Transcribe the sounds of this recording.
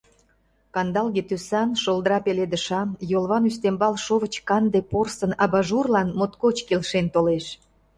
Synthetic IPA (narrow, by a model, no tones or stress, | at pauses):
kɑnd̪ɑlɣet̪ysɑnʃolˠd̪əɾɑpeled̪əʃɑmjolβɑnyst̪embɑlʃoβət͡ɕkɑnd̪eporsənɑβɑʒurlɑnmot̪kot͡ɕkelʃent̪oleʃ